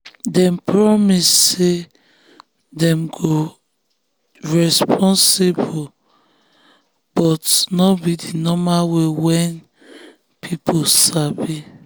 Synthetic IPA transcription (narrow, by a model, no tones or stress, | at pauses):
dɛ̃mpɹɔmisːe | dɛ̃mɡo | ɹɛspʰɔ̃nsebo | b̥ɔtnɔbidinɔmawewɛ̃n | pʰipʰosabi